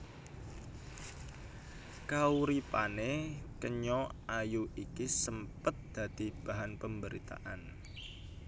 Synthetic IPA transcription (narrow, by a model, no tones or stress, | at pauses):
kauɾipanekəɲɔajuʔikisəmpət̪̚d̪̥ä̤d̪̥i̤b̥a̤ɦanpəmbəɾit̪a̰ʔan